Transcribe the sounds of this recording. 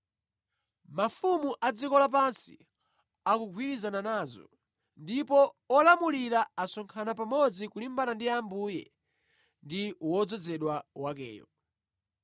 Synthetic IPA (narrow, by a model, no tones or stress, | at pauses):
mafumuʔad͡zikɔlap̬ansḭ | akuɡʰʱwiɾizananazɔ̰ | ndipɔɔlamuliɾaasɔŋkʰanapamɔd͡zikulimbanandiambuːjɛ̰ | ndiwɔd͡zɔd͡zɛɗwawakɛ̰ːjɔ̰